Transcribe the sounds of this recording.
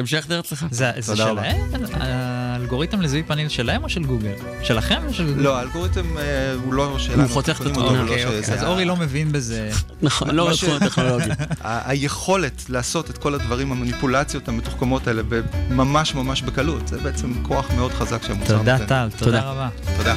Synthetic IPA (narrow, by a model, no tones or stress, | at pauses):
emʃed̪eʁetleχazezedʃelaema̰ːlɡo̞ʁitemlezuipanilʃelaemoʃelɡuɡel | ʃelaχemoʃelɡuloaːlɡo̞ʁit̪emeuloʃeːauot̪eχimaloeeazoʁilo̞mevinbezenaχonloatuneolloɡaajeχo̞le̞tlaːso̞tetko̞ladvaʁimamanipulat͡sjo̞tametu̥χkamo̞taele̞bemamaʃmamaʃbekalutzɛbeet͡semkʰo̞aχmeo̞dχazakʃeemtod̪atalt̪odd̪aʁabat̪od̪a